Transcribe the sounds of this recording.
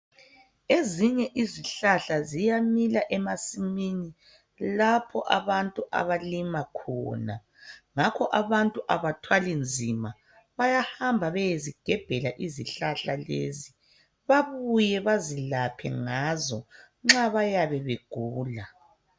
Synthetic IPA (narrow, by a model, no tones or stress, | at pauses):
eziɲɛʔiziɬaɬazijamilaʔɛmasimini | lapʰɔ̰ʔa̰βantʼuʔa̰βalimakʰɔ̰ːna | ŋakʰɔʔaβantʼuʔaβatʰwalind͡zʱima | βajahambʱaβɛjeziɡ̥ʱɛb̥ʱɛlaʔiziɬaɬalḛzi | βaβujɛβazilapʰɛ̰ŋazɔ | ŋ͡ǁaβajaβɛβeɡ̥ʱuːla